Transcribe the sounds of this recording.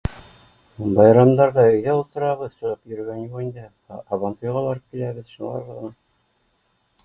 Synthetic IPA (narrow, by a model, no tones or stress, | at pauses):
bɑjɾɑmd̪ɑɾðɑɵ̆jðæulˠt̪ɤ̆ɾɑβɤðsɤ̆ʁɤpjɵ̆ɾɘ̆ɡænjulind̪ɘ | ɑːβɑnt̪ujʁɑβɑɾɤp̚kilæβɘðʃulˠɑ̰ɾðɤʁɤ̆nɑ